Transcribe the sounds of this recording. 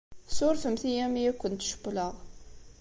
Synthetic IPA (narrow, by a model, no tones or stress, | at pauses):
sʊɾfəmθijæmijækʷːənt̪ʃə̥bləʁ